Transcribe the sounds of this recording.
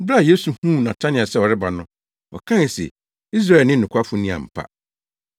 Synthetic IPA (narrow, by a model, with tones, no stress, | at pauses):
bɾa˦˨je˦su˨hũ˦˨nã˨tʰã˦nɪ̃˨a˨sɛ˦wɔ˨ɾɪ˦ba˨nʊ̃˦ | ɔ̰˨kʰã˦˨sɛ̰˨ | i˦s̬ɾa˦˨ɛ˨nɪ̃˦˨ʊ̃˨kʷʰa˦fʊ˦nĩ˦ã̰˨m̩˨pʰa̰˦